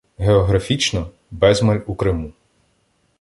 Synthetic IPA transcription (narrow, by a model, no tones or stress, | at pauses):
ɦeɔɦɾɐfʲit͡ʃnɔ | bɛzmɐlʲukɾɪmu